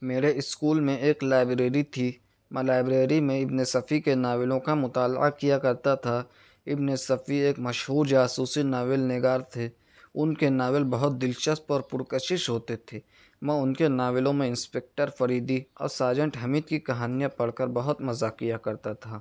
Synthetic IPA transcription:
meːɾeɪskuːlmẽeːklaːɪbɾeːɾit̪ʰi | mɛ̃laːɪbɾeːɾimẽɪbnesɐfʰikenaːʋɪlõkamʊt̪aːlʔa̰kijakɐɾt̪at̪ʰa | ɪbnesɐfieːkmɐʃɦuːɾd͡ʒaːsuːsinaːʋɪlnɪɡaːɾt̪ʰe | ʊnkenaːʋɪlbɐɦʊt̪̚d̪ɪlʃəst̪ɔːɾpʊɾkəʃɪʃɦoːt̪et̪ʰeː | mɛ̃ʊnkenaːʋɪlõmẽɪ̃nspeːk̚ʈəɾfɐɾiːd̪iɔ̰ːɾsaːɾd͡ʒə̃ɳʈɦɐmiːt̪kikɐɦaːnijãpɐɽ̤kəɾbɐɦʊt̪mɐzakijakɐɾt̪at̪ʰaː

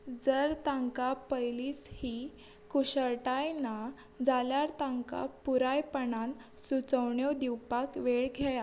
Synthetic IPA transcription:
d͡zəɾt̪ãŋkapəjlishi | kuɕəɭʈajna | d͡zaljaɾt̪ãŋka̰puɾajpəɳan | sut͡səwɳjod̪iwpakʋeɭɡʱaja

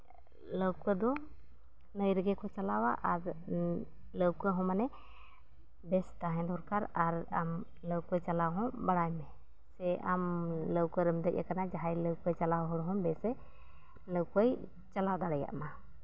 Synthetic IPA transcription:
ləwkəd̪ɔ | nəjɾɛɡɛkɔt͡ʃalawaʔaɾ | ləwkɔɦɔ̃manɛ | bɛst̪aɦɛ̃d̪ɔɾkaɾaɾam | ləwkɔjt͡ʃalawɦɔ̃baɽajmɛ | sɛʔamləwkəɾəmd̪əʔ̚ja̰kanad͡ʒaɦajləwkɔjt͡ʃalawɦɔɽɦɔ̃bɛsɛ | ləwkəj | t͡ʃalawd̪aɽɛja̰ʔma

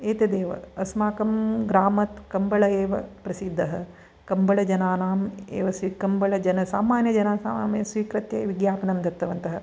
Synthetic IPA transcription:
eːt̪ɐd̪eːʋɐ̰ɐsmaːkɐmɡɾaːmɐt̪kɐmbɐɭɐeːʋɐpɾɐsid̪ʱːɐɦɐ | kɐmbɐɭɐd͡ʒɐnaːnaːmḛːʋɐsʋikɐmbɐɭɐd͡ʒɐnɐsaːmaːnjɐd͡ʒɐnaːsaːmɐjɐsʋiːkɾɐt̪jɐ̰ʋiɡjaːpɐnɐmd̪ɐt̪ːɐʋɐnt̪ɐɦɐ

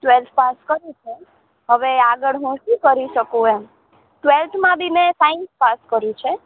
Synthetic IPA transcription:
ʈʋelt̪ʰpaskəɾjũt͡ʃʰe | ɦəʋeaɡəɭɦũʃũkəɾiʃəkũe | ʈʋelt̪ʰmãbʱimẽsaɪnspaskəɾjũt͡ʃʰe

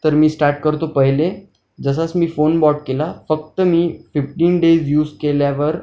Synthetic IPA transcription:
t̪əɾmiːsʈaɾʈ̚kəɾt̪opəɦle | d͡zəs̬at͡smiːfonbɔʈ̚kelafək̚t̪əmiːfifʈiːnɖed͡zjuːd͡zkeljaʋəɾ

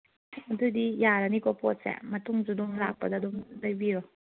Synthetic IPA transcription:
ɐdudijaɾanikɔpɔt̚sɛ̰mɐtuŋd͡ʒuduŋlak̚pɐdaduŋdajbiɾɔ

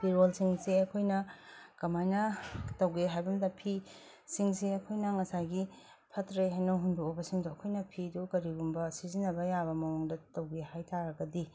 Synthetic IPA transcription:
piɾolsiŋseɐkʰojnɐkɐmajnɐtɐwɡeɦajbɐmdɐpʰi | siŋsiɐkʰojnɐŋɐsaɡi | pʰɐtɾejɦajnɐɦundokobɐsiŋduɐkʰojnɐpʰidukɐɾiɡumbɐsizinːɐbɐjabɐmɐwoŋdɐtɐwɡehajtʰaɾɐɡɐdi

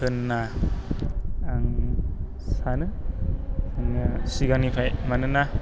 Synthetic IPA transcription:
ɯnːa | ŋ | sanɯ | aŋasiɡanipʰajmanɯna

